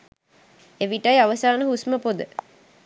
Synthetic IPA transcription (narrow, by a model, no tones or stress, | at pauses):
eʋiʈajaʋəsaːnəɦusməpod̪ə